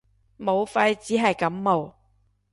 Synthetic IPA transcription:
mo˨˧wfɐ˧jt͡siː˨˥ɦɐ˨jkɐ˨˥mːo˨˩w

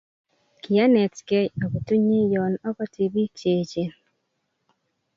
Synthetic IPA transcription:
ki˨a˦nɛ˨tkɛ˦o˨ko˨tu˦ɲe˦jɔ˨nɔ˦kɔ˦ti˨bi˦t͡ʃe˨t͡ʃe˨

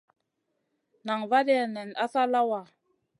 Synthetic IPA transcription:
na˨ŋva˦dɛ˦˨nɛ˨na˦sa˦la˦wa˨

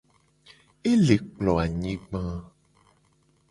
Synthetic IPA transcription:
e˦le˨k͡plɔ˨a˨ɲĩ˦ɡ͡bã˦

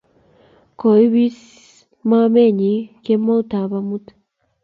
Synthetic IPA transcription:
ko˨i˦βi˦s | ma˦me˦˨ɲi˨ke˦mːo˦u˦ta˨βa˦mu˦t

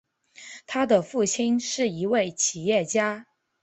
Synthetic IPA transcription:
t̪ʰa˥d̪ə˨fu˥˩t͡ɕʰi˥nʂɻ̩˥˩i˧˥we˥˩ɪt͡ɕʰi˨˩jɛ˥˩t͡ɕja˥

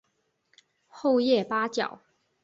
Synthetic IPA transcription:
xo˥˧ʊjɛ˥˩pa˥t͡ɕjɑ̰˨˩˦ʊ

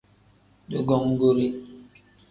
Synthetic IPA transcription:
do˦ɡɔ˦ŋ̩˦ɡo˦ɾi˦

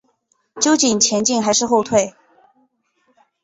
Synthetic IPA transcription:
t͡ɕjo˥ʊt͡ɕi˨˩nt͡ɕʰjɛ˧˥nt͡ɕi˥˧ŋxa˧˥ɪʂɻ̩˥˧xo˥˧ʊt̪ʰwe˥˩ɪ

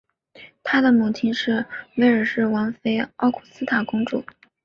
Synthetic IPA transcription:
t̪ʰa˥d̪ə˨mu˨˩t͡ɕʰi˥nʂɻ̩˥˩we˥˩ɪə˞˨˩ʂɻ̩˥˩wɑ˧˥ŋfe˥ɪɑ˥˩ʊkʰu̥˨˩sɹ̩˥t̪ʰa˨˩kʊ˥ŋʈ͡ʂṵ˥˩˦

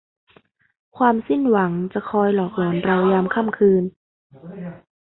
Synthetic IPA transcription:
kʰwaː˧msi˥˩nwa˩˦ŋt͡ɕa˨˩kʰɔː˧jlɔː˨˩k̚lɔː˩˦nɾa˧wjaː˧mkʰa˥˩˨mkʰɯː˧n

